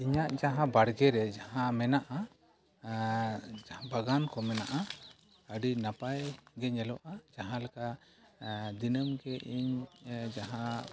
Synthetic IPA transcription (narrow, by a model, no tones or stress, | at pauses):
iɲaʔd͡ʒaɦãbaɽɡɛɾɛd͡ʒaɦãmɛnaʔa | abaɡankɔmɛnaʔa | əɖinapajɡɛɲɛlɔʔad͡ʒaɦãlaka | d̪inəmɡɛʔiɲd͡ʒaɦã